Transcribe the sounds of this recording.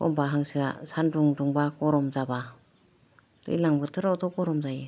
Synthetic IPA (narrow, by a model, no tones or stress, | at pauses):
kɔ̰mbaɦaŋsia̰sanduŋduŋbakɔɾɔmzaba | d̥ɯ̰jlaŋbɯtʰɯɾawtɔkɔɾɔmzaji